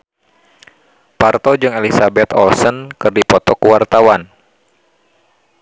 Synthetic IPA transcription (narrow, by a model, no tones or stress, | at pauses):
part̪ɔd͡ʒɨŋelisabɛt̪ɔ̰lsənkɨrdipɔt̪ɔkuwart̪awan